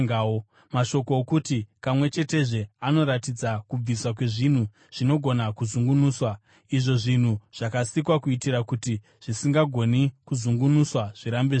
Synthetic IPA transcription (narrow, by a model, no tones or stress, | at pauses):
ao | maʃo̞koːkutipamwe̞t͡ʃe̞te̞ʐe̞ano̞ɾatid͡zakub͡viswak̬we̞ʐin̤u | ʐ̥ino̞ɡʱo̞nakuzuŋɡunuːswa | iʐo̞ʐin̤uʐ̥akasikwakuitiɾakuti | ʐ̥isiŋɡaɡʱo̞nikuzuŋɡunuswaʐ̥iɾambe